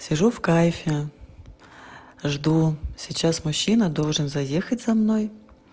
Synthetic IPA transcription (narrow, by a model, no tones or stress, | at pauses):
sʲɪʐufkajfʲɪ | ʐd̪usʲɪt͡ɕasmʊɕːinəd̪o̞lˠʐɨnzɐjexətʲz̥ɐmno̞j